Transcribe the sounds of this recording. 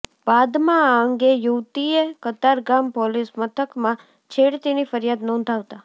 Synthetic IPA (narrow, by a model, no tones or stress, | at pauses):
b̥ad̪mãaəŋɡejuʋt̪iekət̪aɾɡampɔlismət̪ʰəkmã | t͡ʃʰeɽt̪inifəɾjad̪nɔ̃nd̪ʱaʋt̪a